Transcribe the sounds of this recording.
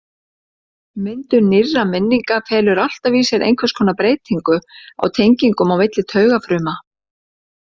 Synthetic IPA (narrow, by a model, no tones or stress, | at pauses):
mʏnt̪ʏɾnɪrːamɪnːiŋkafɛːlʏɾal̥t̪aviːsɛɾʔḛjŋkʰvɛskʰɔːnapɾeːjt̪ʰiŋkʏa̰wt̪ʰejɲciŋkʏmawmɪt̪lɪt̪ʰœːɥɣafɾʏːma